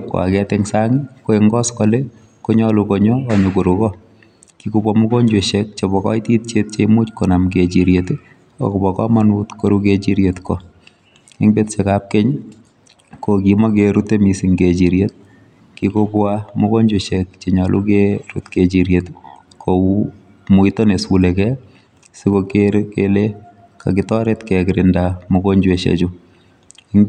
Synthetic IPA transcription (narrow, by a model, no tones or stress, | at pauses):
kwa̰kɛtɛŋsaŋikoeŋɡɔskɔle | koɲɔlukoɲɔːɲokuɾukɔ | kikubwamukoɲd͡ʒweʃek̚t͡ʃebɔkɔitit̚t͡ʃet̚t͡ʃeimut͡ʃkonamket͡ʃiɾjet | o̰kubɔkɔmanutkoɾuket͡ʃiɾjetko | ɪŋbetsekap̚keɲ | kokimɔkeɾutemisiŋɡet͡ʃiɾjet̚ | kikobwamokoɲd͡ʒweʃek̚t͡ʃeɲalʔṵkeɾṵtket͡ʃiɾjet | kʰou | muitonesulekɛ | sikokekele | ka̰kɪtɔɾetkɛkɪɾɪndamokoɲd͡ʒweʃḛt͡ʃu | ɪŋ